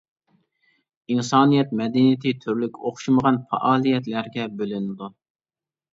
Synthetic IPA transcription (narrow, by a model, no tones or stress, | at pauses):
insɑːnijɛt̪mɛd̪ɛnijɪt̪ʰɪt̪ʰyɾlykʲoχʃuməʁɑnfɑ̰ʔɑːlˠijɛt̪læɾɡʲɛbølynɪd̪u